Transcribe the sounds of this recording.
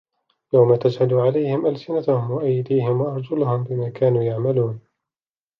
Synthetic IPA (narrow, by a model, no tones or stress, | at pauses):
jawmat̪ad͡ʒhad̪uʕalajhɪmʔalsɪnat̪ahʊmwaʔajd̪iːɦɪmwaʔɑɾˤd͡ʒʊlʊhʊmbɪmaːkʰaːnuːjaʕmaluːn